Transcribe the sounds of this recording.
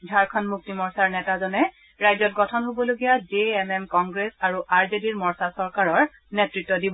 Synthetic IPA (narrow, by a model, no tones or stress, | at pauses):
dʱaɹkʰɔnmuk̚timɔɹsaɹnɛtazɔnɛ | ɹajzɔt̚ɡɔtʰɔnɦobɔloɡijadeɛmɛmkɔŋɡɹesaɹuʔaɹzediɹmɔɹsasɔɹkaɹɔɹ | netɹitːɔdibɔ